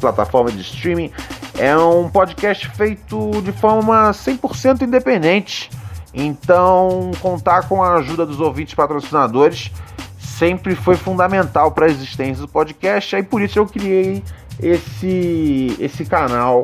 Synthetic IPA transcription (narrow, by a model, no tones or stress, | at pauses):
plat̪a̰fɔɾmɐd͡ʒɪst̪ɾĩmĩɛũpod͡ʒikɛst͡ʃɪ̥fejt̪ʊd͡ʒɪfɔɾmɐũmɐsẽj̃pʊɾsẽnt̪̬ʊĩd̪epẽnd̪ẽnt͡ʃɪ̥ẽnt̪ɐ̃w̃w̃kõnt̪akõw̃ɐːʒud̪ɐd̪ʊzowvĩt͡ʃɪ̥spat̪ɾosinad̪oɾɪssẽmpɾɪfojfũd̪ɐmẽnt̪awpɾɐeziʃt̪ẽsjɐd̪ʊpod͡ʒikɛst͡ʃɪaipʊɾisʊewkɾiejesɪesɪkanaw